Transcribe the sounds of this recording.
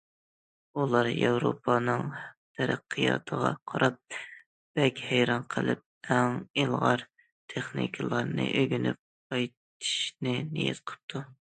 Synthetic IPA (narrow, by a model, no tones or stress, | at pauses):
ulˠɑɾjɑwɾopʰɑnɨŋt̪ʰɛɾæqʰːijɑ̰t̪ʰəʁɑ̰qʰɑɾɑp̚ | b̥ɛkʲhæjɾɑnqʰəlˠɨp̚æŋilˠʁɑɾ | t̪ʰeχnḭkʰɨlˠɑɾnɨʔøɡʲynyp̚qɑjt̪ʰi̥ʃnɪnijɛ̰t̪qʰəɨ̥p̚t̪ʰu